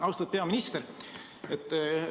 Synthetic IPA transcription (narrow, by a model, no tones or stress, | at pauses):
ɑwst̪ɑd̪̚pe̞ɑminist̪eɾ | et̪ːˑ